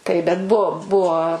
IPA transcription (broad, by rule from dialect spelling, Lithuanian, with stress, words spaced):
tɐɪ ˈbʲɛt ˈbuɔ ˈbuɔ